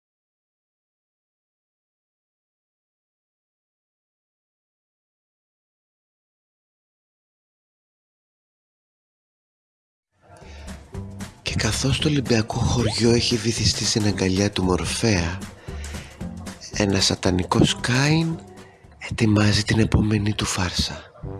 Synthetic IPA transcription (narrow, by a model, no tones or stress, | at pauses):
ce̞kɐθo̞st̪o̞libiɐko̞xo̞ɾʝo̞e̞çiðiθist̪ist̪ineŋɡɐʎɐt̪umo̞ɾfe̞ɐ | e̞̰nɐsɐt̪ɐniko̞skɐin | e̞t̪imɐzit̪ine̞po̞me̞nit̪ufɐɾsɐ